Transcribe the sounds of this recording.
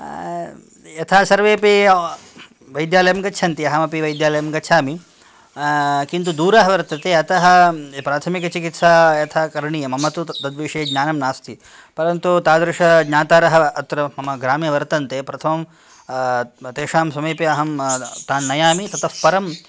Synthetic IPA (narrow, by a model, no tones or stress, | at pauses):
jɐt̪ʰaːsɐɾʋeːpi | ʋɐjd̪jaːlɐjɐmɡɐt͡ʃʰɐnt̪iɐɦɐmɐpiʋɐjd̪jaːlɐjɐmɡɐːt͡ʃʰaːmi | kint̪̬ud̪uːɾaːɦɐʋɐɾt̪ɐt̪eːɐt̪ɐɦɐ̆pɾaːt̪ʰɐmikɐt͡ʃikit̪saːjɐt̪ʰaːkɐɾɳijɐmɐmɐt̪ud̪ɐd̪ʋiːʂeːɡɲaːnɐmnaːst̪ʰi | pɐɾɐnt̪ut̪aːd̪ɾɪʂɐɡɲaːt̪aːɾɐɦɐɐt̪ɾɐmɐmɐɡɾaːmjɐʋɐɾt̪ɐnt̪eːpɾɐt̪ʰɐmɐm | t̪eːʂaːmsɐmeːpiɐɦɐmt̪aːnːɐjaːmit̪ɐt̪ɐfpɐɾɐm